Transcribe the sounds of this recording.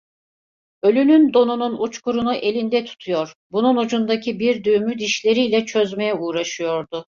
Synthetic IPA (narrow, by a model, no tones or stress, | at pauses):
ø̞lʲynynd̪o̞nununut͡ʃkuɾunuʔe̞lʲind̪ɛt̪ʰu̥t̪ʰujo̞ɾbununud͡ʒund̪acʰibiɾd̪yːmyd̪iʃlʲe̞ɾijlʲɛt͡ʃʰø̞zme̞jɛuːɾaʃɯjo̞ɾd̪ʊ